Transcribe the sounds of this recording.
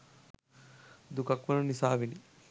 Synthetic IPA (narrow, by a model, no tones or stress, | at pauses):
d̪ukɐkʋɐnunisaːʋini